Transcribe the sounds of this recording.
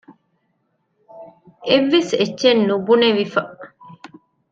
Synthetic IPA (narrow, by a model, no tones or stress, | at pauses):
ʔeʋːeset͡ʃːʃenːubuneʋifɐ